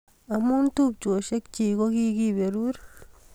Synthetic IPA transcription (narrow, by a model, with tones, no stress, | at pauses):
a˨mu˦ntu˦b̚t͡ʃu˨o˨ʃe˦kt͡ʃi˨ɡo˦ɡi˦ɡi˦be˨ɾu˦ɾ